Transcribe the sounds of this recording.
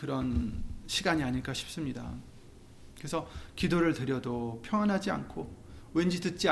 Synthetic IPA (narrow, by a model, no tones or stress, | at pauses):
kɯɾʌnɕʰiɡaɲiaɲiɭk͈aɕʰi̥p̚s͈ɯmɲida̰ | kɯɾesʰʌkidoɾɯɭtɯɾjʌdopʰjʌŋwanɦad͡ʑia̰nkʰowend͡ʑitɯt̚t͡ɕ͈i